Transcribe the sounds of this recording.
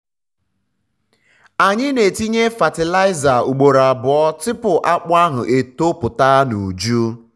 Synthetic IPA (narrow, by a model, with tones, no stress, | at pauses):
a˨ɲɪ˦ne˨ti˦ɲe˦fa˨tɪ˨la˦ɪ˦za˨u˨ɡ͡bo˨ɾa˨bʊ˨ɔ˦tɪ˦pʊ˨ʔa˦k͡pʊ˦a˦ɦʊ˨ʔe˨to˦pʊ˨ta˦nu˨d͡ʒu˦